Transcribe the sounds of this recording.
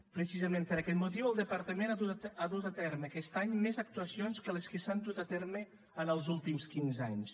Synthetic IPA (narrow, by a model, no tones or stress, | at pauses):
pɾəsizəmẽnpəɾakɛt̪mut̪iwəlˠd̪əpəɾt̪əmenaðuaðut̪at̪ɛɾməːkɛst̪aɲmezək̚t̪uəsionskələskəsand̪ut̪at̪ɛɾmə | ənəlˠzulˠt̪imskinzaɲs